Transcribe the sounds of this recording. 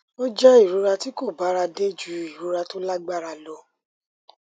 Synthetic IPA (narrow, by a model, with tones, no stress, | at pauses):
o˦d͡ʒɛ˦i˦˨ɾu˨˦ɾa˧ti˦ko˦˨ba˨˦ɾa˧de˦d͡ʒu˨˦i˨ɾu˨˦ɾa˧to˦la˦ɡ͡ba˦˨ɾa˧lo˧˦